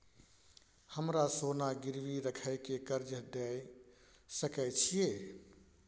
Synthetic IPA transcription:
həmɾasonaɡiɾʋiɾəkʰəjkekəɾd͡ʒəd̪ɛj | səkɛt͡ʃʰije

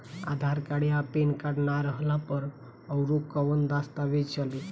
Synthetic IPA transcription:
a̰d̪ʱaɾkaɽjapenkaɽnaɾəɦlapəɾ | əwɾokːəʋənd̪ast̪aʋed͡ʒt͡ɕali

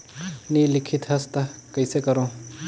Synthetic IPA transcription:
niːlɪkʰit̪ɦɐst̪ɐkəjsekəɾõː

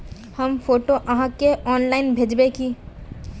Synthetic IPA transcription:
hɐmfoːʈoʔɐɦãkeʔɔːnlaːɪnbʱeːd͡ʒbeki

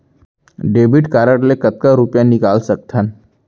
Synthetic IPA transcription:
ɖeːbɪʈkaːɾəʈlekɐt̪̚kaɾʊpjãnɪkaːlsɐk̚t̪ʰən

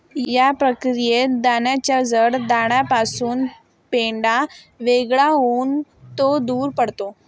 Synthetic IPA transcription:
japɾəkɾijed̪aɳjat͡ɕjad͡zəɽd̪aɽ̃japasuːn | peɳɖa | ʋeɡɭaɦon | t̪od̪uːɾpəɽt̪o

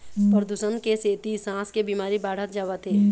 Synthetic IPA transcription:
pəɾd̪usənkeseːt̪isãːskebiːmaːɾibaːɽ̤ət̪̚d͡ʒaːʋət̪ɦeː

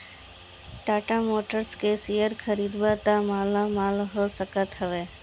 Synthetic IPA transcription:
ʈaːʈamoːʈəɾskesijəɾkʰəɾiːd̪bat̪amaːlamaːlɦosəkət̪ɦəʋeː

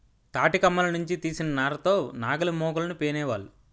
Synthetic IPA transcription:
t̪aːʈikɐmːɐlɐnuɲt͡ʃit̪iːsinɐnaːɾɐt̪o̞ːnaːɡɐlɐmɔːɡɐlɐnupeːnɛːʋaːlu

